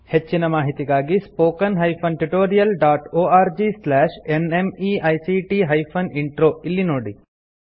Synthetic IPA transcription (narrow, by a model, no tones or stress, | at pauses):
het͡ʃːinɐmaːɦit̪iɡaːɡispoːkɐnɦɐjpʰɐnʈuʈoːɾijɐlɖaːʈoːaːɾd͡ʒislɛːʃenemiːɐjsiːʈiːɦɐjpʰɐniɳʈɾoːilːinoːɽi